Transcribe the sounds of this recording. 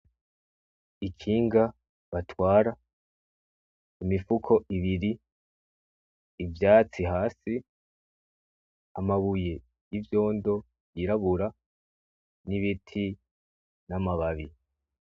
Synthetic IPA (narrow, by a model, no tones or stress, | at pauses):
ikʰiːŋɡa | βatwaːɾa | imifukʰo̞ʔiβiɾi | vjaːt͡siɦaːsi | amaβuje̞ | jivjo̞ːndo̞ | jiɾaβuɾa | niβitʰi | namaβaβi